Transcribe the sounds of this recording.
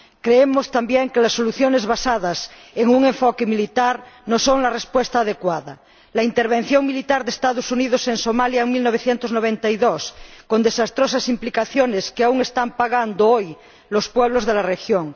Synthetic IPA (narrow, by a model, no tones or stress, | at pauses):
kɾeemost̪ambjeŋkelasːoluθjonezβasaðas | eŋuŋẽɱfokemilit̪aɾnosoŋlarespwest̪aːð̞ekwaða̰ | laint̪eɾβ̞en̟θjoŋmilit̪aɾðest̪aðosuniðosensomaljaeŋmilnoβ̞eθjent̪oznoβ̞ent̪aiðoskond̪esast̪ɾosasimplikaθjoneskeauŋest̪ampaɣand̪ooj | lospweβ̞lozðelarexjoŋ